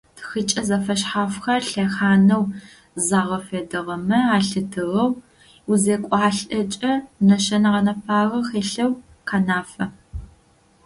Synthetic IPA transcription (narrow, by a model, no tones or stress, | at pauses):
txɨt͡ʃʼɐzɐfɐɕħaːfxɐrɬɐxaːnɐw | zaːʁɐfeːdɨʁɐmɐaːɬɨdʰɨʁɐw | uzeːkʷʼɑːɬʼɐt͡ʃʼɐnɐʃɐnɐʁɐnɐpʰaːʁɐχeːɬɐw | qʰanaːfɐ